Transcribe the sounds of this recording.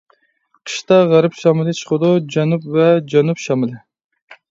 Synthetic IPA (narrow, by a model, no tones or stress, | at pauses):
qʰɨ̥ʃt̪ɑʁæɾɨpʃɑmɨlˠɨt͡ʃʰə̥qʊd̪ud͡ʒɑnupvɛd͡ʒɑnupʃɑmɨlˠɨ